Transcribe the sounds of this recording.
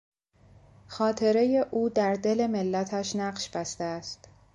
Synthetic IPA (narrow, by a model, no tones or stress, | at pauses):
xɒːt̪ʰe̞ɾe̞je̞ʔuːd̪æɾd̪e̞le̞me̞lːæt̪ʰæʃnæɢʃb̥æst̪eæst̪